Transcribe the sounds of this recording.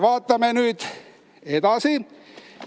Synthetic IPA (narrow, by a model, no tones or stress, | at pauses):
ʋɑːt̪ːɑmenyt̪ | et̪ɑsi